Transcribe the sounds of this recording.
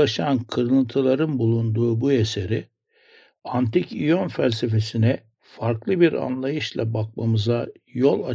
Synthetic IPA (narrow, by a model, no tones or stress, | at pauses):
aʃankʰɯɾɯɯnt̪ʰɯlˠaɾɯnbulˠund̪uːbue̞seɾi | ant̪icijonfælʲse̞fe̞sinɛ | faɾklˠɯbiɾa̰nlˠajɯʃlˠabak̚mamɯzajo̞lˠa̰